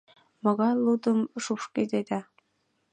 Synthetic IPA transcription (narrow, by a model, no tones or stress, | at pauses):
mɤ̆ɣɑjlˠud̪əmʃuʃked̪ed̪æ